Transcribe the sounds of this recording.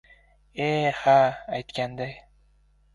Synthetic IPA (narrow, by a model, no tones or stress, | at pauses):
ehaːjt̪kʲʰand̪aj